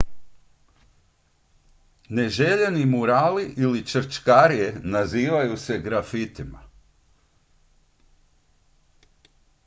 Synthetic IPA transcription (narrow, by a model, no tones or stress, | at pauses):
ne̞ʒeʎenimuɾaːliʔilit͡ʃəɾ̩t͡ʃkaɾijenaziːʋajuse̞ɡɾafit̪ima̰